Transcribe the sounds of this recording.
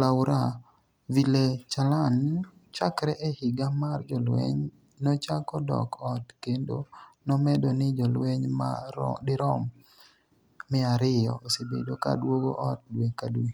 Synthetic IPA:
laʊɾa | vilet͡ʃalan | t͡ʃakɾɛʔehɪɡamard͡ʒɔlwḛɲ | nɔt͡ʃakɔdɔ̰kʰɔtkendo̰nɔmɛdɔnɪd͡ʒɔlweɲma̰dɪɾɔm | mɪaɾɪjɔ̰osebḛdoka̰dwoɡo̰ʔɔt̚dwekadwi

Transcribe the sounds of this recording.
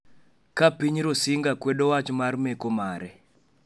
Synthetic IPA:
kapiɲiɾosiŋɡakweɗowat͡ʃomaɾimekomaːɾe

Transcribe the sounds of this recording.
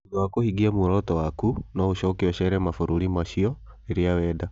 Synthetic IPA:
ɡakohiɡiamuɾɔtɔwakunɔuʃɔkiwɛʃɛɾɛmafuɾuɾimaʃiɔ | iɾiawɛda

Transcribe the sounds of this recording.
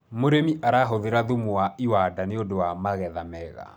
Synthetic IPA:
moɾemiʔaɾaɦoðeɾaðumoaʔiwadaneodowamaɣɛðamɛɣa̰

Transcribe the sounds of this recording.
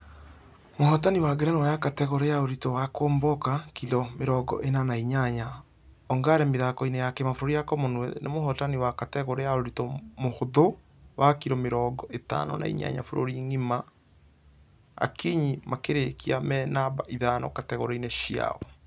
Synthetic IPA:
mohɔtaniwaɡeɾɛnɔwajakatɛɣoɾejaoɾitɔwakoːmbɔkakiɾɔmeɾɔɡɔ̰ʔenanaiɲaɲa | ɔŋɡaːɾɛmeðakɔinejakemafoɾoɾijakɔmonwɛnemohɔtaniwakatɛɣoɾejaoɾitɔmohoðo | wakiɾɔmeɾɔɡɔeta̰nɔ̰nʔa̰ḭɲa̰ɲa̰foɾo̰ɾiŋima | a̰kiɲimakeɾekiamɛnabaʔiðanɔ̰katɛɣoɾɛineʃia̰ɔ

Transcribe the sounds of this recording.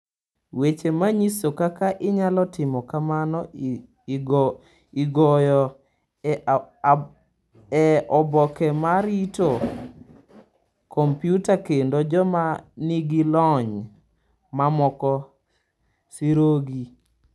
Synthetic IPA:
wet͡ʃemaɲisokakaʔɪɲalɔtɪmɔkamanɔ | iɡɔjɔ | ɛɔbɔkɛmaɾito | kʰɔmpjutakendod͡ʒɔmaniɡilɔɲ | mamɔkɔ | siɾoɡi

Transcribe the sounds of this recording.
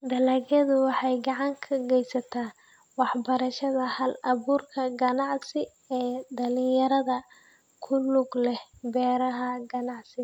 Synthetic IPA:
d̪ɐlɐɡɐðʊwɑħɑjɡɑʕɑŋkʰɐɡɛjsɐt̪ʰaː | wɑħbɐɾɐʃɐðɐhɐlɐβuːrkʰɐɡɐnɑʕsɪ | ɛːd̪ɐlɪjɐɾɐðɐ | kʰʊlʊɡlɛhbɛːɾɐɦɐɡɐnɑʕsɪ

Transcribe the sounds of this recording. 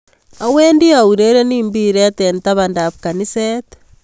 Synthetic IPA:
aweːndiauɾeɾeniːmbiɾetentaβandaβukanisete̥

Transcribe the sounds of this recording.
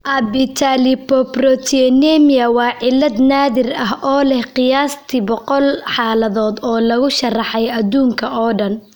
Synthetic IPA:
ʔɐbɪt̪ʰalɪpɔprɔt̪ʰiɛnɛmiɐwɑːʕɪlːɐd̪naːðɪrɐɦɔːlɛhqɪjaːst̪ʰibɔqɔlħɑːlɐðɔːd̪ɔːlɐɣʊʃɐrɑħɛjɐd̪uːŋkʰɐʔɔːɖɐn

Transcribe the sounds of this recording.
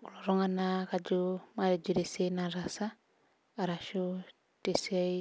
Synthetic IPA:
uɾoɾoŋanakad͡ʒumaɾed͡ʒuɾesenaɾasa | aɾaʃo | tesiai

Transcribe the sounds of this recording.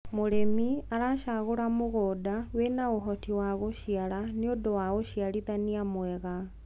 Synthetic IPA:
moɾemiaɾaʃaɣoɾamoɣodawenaoɦɔtiwaɣoʃiaɾaneodowaɣoʃialiðaniamwɛɣa

